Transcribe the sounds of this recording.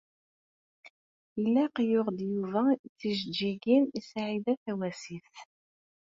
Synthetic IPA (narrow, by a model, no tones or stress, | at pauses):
ilːæqjʊʁd̪juvæθiʒəd͡ʒːiɡinisʕiðæθæwæsiθ